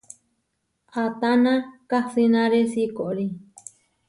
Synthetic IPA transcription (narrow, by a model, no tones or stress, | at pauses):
at̪anãkasinãɾesikoʔɾi